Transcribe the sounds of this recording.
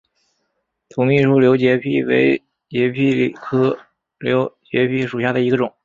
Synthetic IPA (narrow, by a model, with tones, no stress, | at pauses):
t̪ʰʊ˧˩ŋmi˥˩ʈ͡ʂʰu˥˩ljo˧˥ʊt͡ɕjɛ˧˥pʰi˥˩wḛ˧˥ɪ | t͡ɕjɛ˧˥pʰi˥˩˨kʰɤ˥ | ljo˧˥ʊt͡ɕjɛ˧˥pʰi˥˩ʂu˨˩ɕja˥˩d̪ə˩i˧˥ɡə˧ʈ͡ʂʊ˨˩˦ŋ